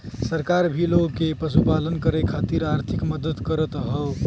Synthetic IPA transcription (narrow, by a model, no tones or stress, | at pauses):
səɾkaɾbʱiloɡkepɾəs̬upalənkəɾekʰat̪iɾaɾt̪ʰikməd̪ət̪kəɾət̪ɦə